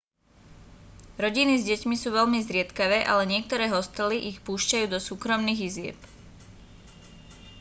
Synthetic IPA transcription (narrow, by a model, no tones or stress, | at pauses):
ɾɔɟinizɟɛcmisuːʋɛʎmizɾɪɛt̪kaʋɛːʔa̰lɛɲɪɛk̚t̪ɔɾɛːɦɔst̪ɛliʔixpuːʃcajuːd̪ɔsuːkɾɔmniːɣizɪɛ̰p